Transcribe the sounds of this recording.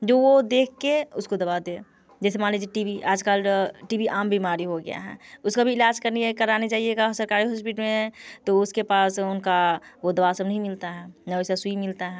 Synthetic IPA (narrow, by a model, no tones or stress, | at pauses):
d͡ʒowod̪ekʰːeʊskod̪əbad̪e | d͡ʒɛːsemaned͡ʒeʈibiʔaːd͡ʒkalʈibiʔaːmbʱimaɾiɦoɡɛ̰ja̰ɦɛ̰̃ːʊskabʱiːlaːd͡ʒkəɾniekəɾanet͡ʃaːɦijeɡasəɾkaːɾiɦɔspiʈmẽt̪oʊskepaːsʊnkaod̪əbasəbnəɦĩmɪlt̪aɦɛ̃ːnɛsesuimɪlt̪aɦɛ̃